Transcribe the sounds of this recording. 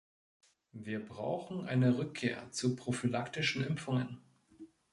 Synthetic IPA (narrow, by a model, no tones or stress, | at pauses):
viːɐbʁa̰ʊxn̩ʔa̰ɪnəʁʏkʰːeːɐt͡supʁ̥ofilaktɪʃn̩ɪmfʊŋən